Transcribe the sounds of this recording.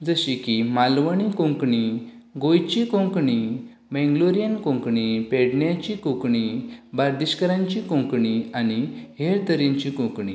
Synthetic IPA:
d͡zəɕikimalʋəɳ̃ikõŋkɳi | ɡojt͡ɕikõŋkɳi | bɛ̃ŋɡloɾijənkõŋkɳipeɽɳjat͡ɕikũkɳibaɾd̪iɕkəɾãɲt͡ɕikõŋkɳianiɦeɾt̪əɾjaɲt͡ɕikũkɳḭ

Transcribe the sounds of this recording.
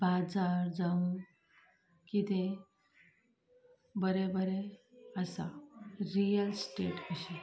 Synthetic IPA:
bad͡zaɾd͡zaũ | kit̪ẽ | bəɾɛbəɾɛəsaɾijəlsʈeʈəɕi

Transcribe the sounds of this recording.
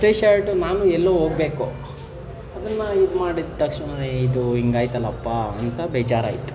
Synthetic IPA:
ʈeːʃaːɾʈunaːnuɛlːɐʋɦoːɡ̚beːku | ɐd̪ɐnːɐid̪umaːɽid̪t̪ɐkʂnɐneid̪uɦiŋɡaːjt̪ɐlːɐpːaɐnt̪ɐbeːd͡ʒaːɾa̰ːjit̪u̥

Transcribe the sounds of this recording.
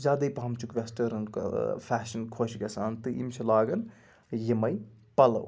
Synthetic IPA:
zaːd̪ɐjpɐɦɐmt͡ʃʰukʋesʈɐɾɐnkpʰaːʃɐnkʰoʃɡʲɐsʰaːnt̪ɨʔḭmt͡ʃʰɐlaːɡɐn | jemɐj | pɐlɐ̰w

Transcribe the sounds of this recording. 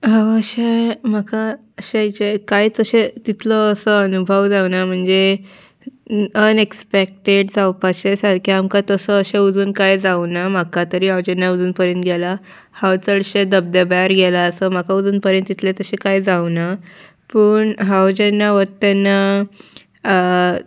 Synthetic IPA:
ɦawəɕem̤aka | əɕajt͡ɕekajt͡səɕet̪it̪ʰlɔəsəənubʱəʋd͡zawnam̤əɳd͡ze | ənekspek̚ʈeɖd͡zawpaɕesaɾkʰiamkat̪əsəəɕeud͡zuːnkajd͡zawnam̤akat̪əɾiːɦawd͡ʑɛnːaud͡zuːnpəɾjənt̪ɡɛla | hawt͡səɽɕed̪əb̚d̪əbaɾɡɛlaəsəm̤akaud͡zuːnpəɾjənt̪ːit̪ʰlet̪əɕekajd͡zawna | pəːɳɦawd͡ʑenːaʋət̪anːa

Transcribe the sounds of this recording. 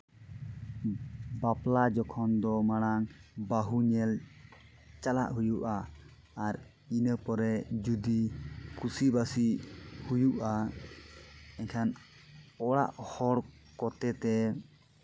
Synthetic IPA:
baplad͡ʒɔkʰɔnd̪ɔmaɽ̃aŋbaɦuɲɛl | t͡ʃalaʔɦujuʔaː | ɾ | inəpɔɾɛd͡ʒud̪ikʰusibasihujuʔa | ɛɲkʰan | ɔɽa̰ʔhɔɽ | kɔt̪ɛt̪ɛ

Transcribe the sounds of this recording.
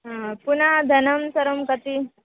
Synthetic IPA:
punad̪ʱɐnəmsəɾomkət̪i

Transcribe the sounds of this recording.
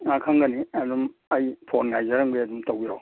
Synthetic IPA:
akʰaŋɡɐniɐdumɐjpʰoɾnːajzɐɾɐŋbeɐdumtawija̰w

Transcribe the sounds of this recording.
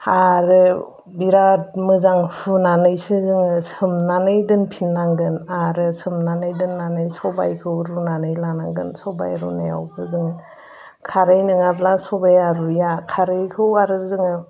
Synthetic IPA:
aɾɯ | biɾat̚mɯzaŋfʰunanɯjsɯzɯŋɯsɯmnanɯjdɯnpʰinːaŋɡɯnaɾɯsɯmnanɯjdɯnːanɯjsɔba̰jkʰɯwɾunanɯjlanaŋɡɯ̰nsɔba̰jɾṵna̰ja̰wbʰɯzɯŋɯ | kʰaɾɯjnɯŋablasɔbajaɾujakʰaɾɯjkʰɯwaɾɯzɯŋɯ

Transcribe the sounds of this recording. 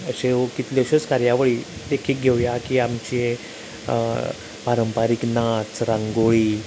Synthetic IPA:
əɕeokit̪laɕət͡skaɾjaʋəɭiːd̪ekʰiːk̚ɡʱewjakiːamt͡ɕie | paɾəmpaɾiːknat͡sɾãŋɡoɭiː

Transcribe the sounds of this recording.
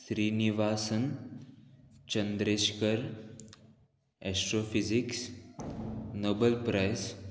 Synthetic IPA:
sɾiːniʋaːsən | t͡ɕənd̪ɾeɕkəɾ | ɛsʈɾofiziks | nobəlpɾajs

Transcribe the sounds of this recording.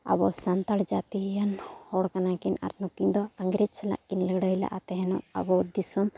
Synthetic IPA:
a̰bɔsant̪aɽd͡ʒat̪ijanhɔɽkanakina̰ɾnukiŋd̪ɔaŋɡɾed͡ʒsɛla̰ʔkinləɡɽɔjla̰ʔat̪ɛɦɛnɔa̰bɔd̪isɔm

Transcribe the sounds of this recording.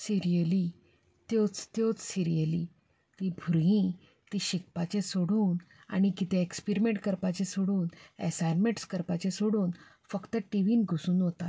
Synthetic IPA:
siɾijəli | t̪jot͡st̪jot͡ssiɾijəli | t̪ibʱɾĩ | t̪iɕik̚pat͡ɕesoɽuːn | a̰ɽ̃ikit̪ʰẽekspiɾimeɳʈkəɾpat͡ɕesoɽuːnɛ̰sajnmeʈskəɾpat͡ɕesoɽuːn | fəkt̪əʈiʋiːnɡʱusuːnɦot̪at̪

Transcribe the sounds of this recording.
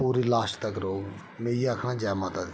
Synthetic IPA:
puːɾilaːʃt̪əkɾoːɡ | meːakʰnãːd͡ʒɛːmãːt̪a

